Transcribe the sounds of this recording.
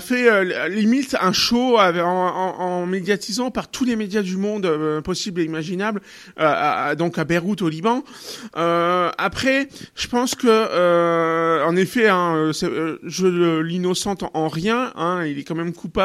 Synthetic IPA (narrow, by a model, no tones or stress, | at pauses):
fɛølimit̪ɛ̃ʃoaɑ̃ː | med̪jat̪ʰizɑ̃paʁt̪ʰulemed̪jad̪ymɔ̃d̪øpɔsibleimaʒinabl | ø̰d̪ɔ̃kabeʁut̪olibɑ̃ | øapχɛʒ̥əpɑ̃skəø | ɑ̃nefɛɛ̃øsɛʒəølinɔsɑ̃t̪ɑ̃ʁjɛ̃ɛ̃ilɛkɑ̃mɛmkʰupa